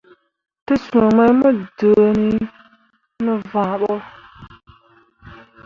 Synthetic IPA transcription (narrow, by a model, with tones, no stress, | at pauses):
tɨ˦sũ˨mə˦jmə˦də˨ni˦ | nɨ˦vã˨ɓɔ˦